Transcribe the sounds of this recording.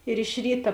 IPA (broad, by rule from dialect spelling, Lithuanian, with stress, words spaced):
ɪr ɪʃ ˈrʲiːtɐ